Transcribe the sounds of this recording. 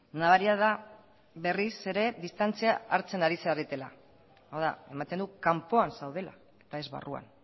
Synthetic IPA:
naβaɾiaða | βe̞rise̞ɾe̞ðist̪ant͡siaːɾt͡se̞naɾiseaɾit̪e̞la̰ | awða̰e̞mat̪e̞nd̪ukampo̞ansawð̞e̞la̰ | e̞̥t̪ae̞zβa̰rua̰n

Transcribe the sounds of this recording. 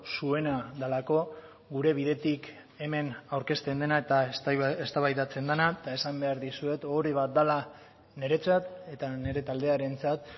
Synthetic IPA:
sue̞naðalako̞ | ɡuɾe̞βiðe̞t̪ik | e̞me̞nawɾke̞st̪e̞nd̪e̞naet̪aest̪aβajðat͡se̞nd̪anat̪ae̞sambe̞aɾðisue̞t̪oɾiβ̞at̪̚d̪ala | ne̞ɾe̞t͡sat̪e̞t̪ane̞ɾe̞t̪ald̪e̞aɾe̞nt͡sat̪

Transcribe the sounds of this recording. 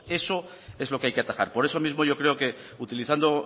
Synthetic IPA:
e̞so̞ | e̞zlo̞keajkeat̪axa̰ɾpo̞ɾe̞so̞mizmo̞ʝo̞kɾe̞oke̞ut̪iliθand̪o

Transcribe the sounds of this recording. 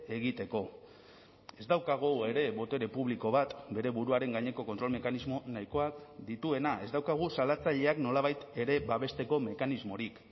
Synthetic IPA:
eɣit̪e̞ko̞ | e̞zd̪awkaɣ̞oe̞ɾe̞βo̞t̪e̞ɾe̞puβliko̞βat̪be̞ɾe̞βuɾuaɾe̞ŋɡaɲe̞ko̞ko̞nt̪ɾo̞lme̞kanizmo̞naiko̞akd̪it̪ue̞naʔe̞zd̪awkaɣ̞usalat͡saʎe̞akno̞laβajt̪e̞ɾe̞baβe̞st̪e̞ko̞me̞kanizmo̞ɾik

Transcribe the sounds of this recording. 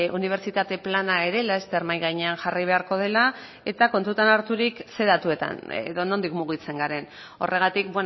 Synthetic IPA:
uniβ̞e̞ɾt͡ʃit̪at̪e̞planae̞ɾe̞laest̪e̞ɾmajɣajɲe̞anʝariβ̞e̞aɾko̞ð̞e̞la | e̞t̪ako̞nt̪ut̪anaɾt̪uɾikse̞ðat̪ue̞t̪a̰n̰ðo̞no̞nd̪ikmuɣ̞it͡se̞ŋɡaɾe̞n | o̞̰rʔe̞ɣ̞at̪ik̚bwe

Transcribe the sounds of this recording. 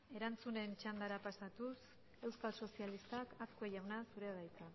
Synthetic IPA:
e̞ɾant͡sune̞nt͡ʃand̪aɾapasat̪us | e̞wskalso̞sijalist̪akaskoejawnasuɾe̞βajka

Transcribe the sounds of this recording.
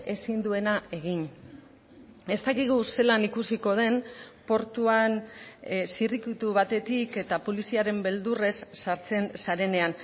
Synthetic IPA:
e̞sind̪ue̞nae̞ɣ̞in | e̞st̪akiɣ̞use̞lanikusiko̞ð̞e̞npo̞ɾt̪uan | sirikit̪uβat̪e̞t̪ike̞t̪apo̞lisiaɾe̞mbe̞ld̪ure̞sːaɾt͡se̞nsaɾe̞ne̞an

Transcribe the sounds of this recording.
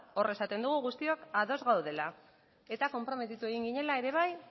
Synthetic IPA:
o̞re̞sat̪e̞nd̪uɣ̞uɣust̪io̞kaðo̞zɣawð̞e̞la | e̞t̪ako̞mpɾo̞me̞t̪it̪ue̞ɣiŋɡiɲe̞lae̞ɾe̞β̞aj

